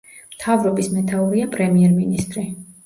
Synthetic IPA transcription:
mt̪ʰavɾɔbismɛt̪ʰauɾiapʼɾɛmiɛɾminist̪ʼɾi

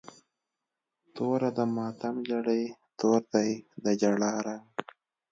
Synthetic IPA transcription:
t̪oːɾad̪əmɑːt̪amd͡ʒaɽejt̪oːɾt̪ajd̪əd͡ʒaɽaːɾaŋ

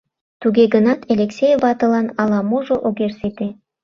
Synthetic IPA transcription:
t̪uɡeɡənɑt̪ʰelʲeksʲejvɑt̪ɤ̆lɑnɑlɑmoʒoʔoɡerset̪e

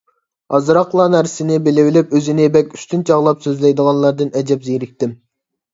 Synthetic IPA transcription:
ɑzɾɑqlˠɑnæɾsɪnɪbɪlɪwɪlɪpøzɪnɪbɛkʲy̥st̪ʰynt͡ʃʰɑʁlˠɑpsøzlɛjd̪əʁɑnlˠɑɾd̪ɨnɛd͡ʒɛpzejɾɪk̚ʲt̪ɪm

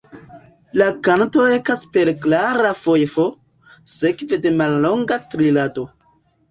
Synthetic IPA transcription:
lakanto̞ekaspe̞ɾklaɾafo̞jfo̞ | se̞kve̞de̞malːo̞ŋɡatɾilato̞

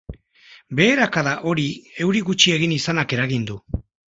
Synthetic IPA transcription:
be̞ːɾakaðaʔo̞ɾie̞wɾiɣut͡ʃie̞ɣ̞inisanake̞ɾaɣind̪u

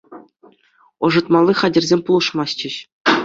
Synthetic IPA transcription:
ɤ̆ʐɤ̆t̪mɑlʲˠːiχɑdʲɘ̆rʲzʲemʲpulˠɤ̆ʂmɑst͡ɕɘ̆ɕ

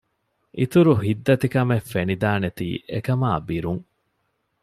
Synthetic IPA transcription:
ʔit̪uɾuɦid̪ːɐt̪ikɐmefːenid̪aːnet̪ḭːʔekɐmaːbiɾuŋ

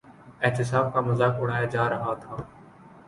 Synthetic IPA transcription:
ɛɦt̪ɪsaːb̚kaːmʊzaːkʊɽ̤aːjaːd͡ʒaːɾəɦaːt̪ʰaː

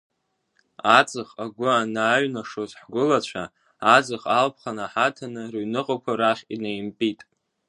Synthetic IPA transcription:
at͡sʼɨχaɡʷʊanaːɥnaʂozħɡʷʊlat͡ɕʷʰa | ad͡zʼɨχalpʰχanaħatʰanɨrɥnɨqʼakʷʰaɾaχʲʼinejmpʼitʼ

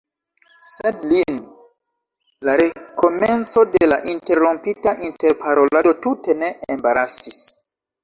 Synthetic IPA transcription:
sedlin | laɾe̞ko̞me̞nt͡so̞dela̰ʔinte̞ɾompitaʔinteɾpʰaɾo̞lado̞tute̞ne̞ːmbaɾasis

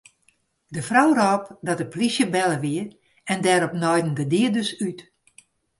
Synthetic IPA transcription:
dəfrɔwrɔːpdɔt̚əplisjəbɛləʋiə | ɛndɛːɾɔpnɔjdən̩dədiədøsyt

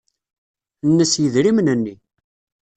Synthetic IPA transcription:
nːəsjəðɾimənənːi

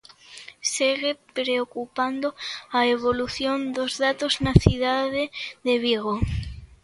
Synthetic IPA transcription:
seɣepɾeokupand̪oaeβoluθjond̪ozðat̪oznaθiðaðeðeβ̞iɣo

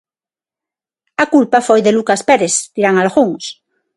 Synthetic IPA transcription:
akulpafojðelukaspeɾest̪iɾaŋalɣuŋs

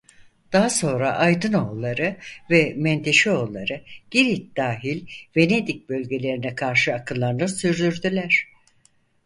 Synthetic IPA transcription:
d̪̥aɦaso̞nɾa̰ʔajd̪ɯno̞lˠːaɾɯvɛmɛnt̪ʰeʃio̞lˠːaɾɯɟ̥iɾit̪̚d̪̥aːɦilʲve̞ne̞d̪ic̚bø̞lʲɟe̞lʲe̞ɾinɛkʰaɾʃɯakʰɯlˠːaɾɯnɯsyɾd̪yɾd̪ylʲæɾ̝̥

